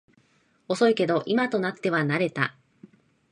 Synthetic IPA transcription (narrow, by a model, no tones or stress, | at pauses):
o̞so̞ike̞d̪o̞ʔimat̪o̞nat̪ːe̞βanaɾe̞t̪a̰